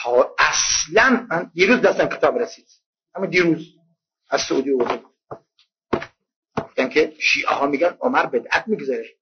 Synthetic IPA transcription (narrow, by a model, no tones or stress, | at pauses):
t̪ʰɒːæslænmænd̪iːɾuːzd̪æst̪æmkʰe̞t̪ʰɒːbɾesiːd̪̥ | hæmːuːd̪iːɾuːz | æzsoʔṵːd̪iːovoɾd̪ebud̪ | ɡ̥oft̪ænkʲʰeʃiːʔḛhɒːmiːɡænomæɾbed̪ʔæt̪̚miːɡzɒɾe